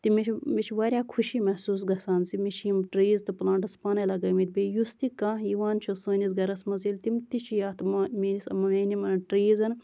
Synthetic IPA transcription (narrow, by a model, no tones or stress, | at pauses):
t̪imit͡ʃmit͡ʃʰʋaːɾʲjaːkʰuʃimɐhsuːs̬ɡɐsaːnsimit͡ʃʰjimʈɾiːzt̪ɨplãːɳʈɐspaːnɐlɐɡɐːmit̪̚ʲbʲeːjust̪ikãːɦjiʋaːnt͡ʃʰusoːnʲisɡɐɾɐsmɐzilt̪imt̪it͡ʃʰijaːt̪mminisɐmɐneːnimɐnɐʈɾiːzɐn